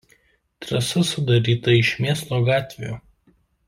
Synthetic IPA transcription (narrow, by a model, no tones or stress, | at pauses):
t̪ɾɐsɐsʊd̪ɐɾʲiːt̪ɐɪʃmʲeːslˠoːɡɑːt̪ʲʋʲejo̰ː